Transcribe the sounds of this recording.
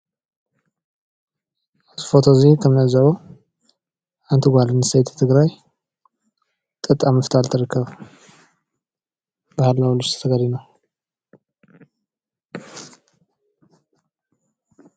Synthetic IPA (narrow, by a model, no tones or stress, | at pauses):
ʔat̪ifo̞t̪ʰozikʰɐmnɐzɐβo | ʔant̪ʰiɡʷalɨnɨsɐjt̪ʰt̪ʰɨɡɾaj | t̪ʼɨt̪ʼːamɨft̪ʰalt̪ʰɨɾɨkːɐβ | bɐhalːawluʃt̪ʰt̪ʰɐɡaɾino